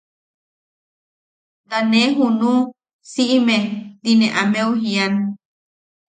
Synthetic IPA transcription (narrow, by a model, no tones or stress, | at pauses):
d̪anẽɦunũ | siʔimẽd̪inẽʔamẽuɦian